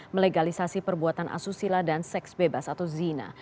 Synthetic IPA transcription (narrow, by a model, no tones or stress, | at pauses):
məleɡalisasipərbuat̪anʔa̰susiladansɛksbebasat̪awzina̰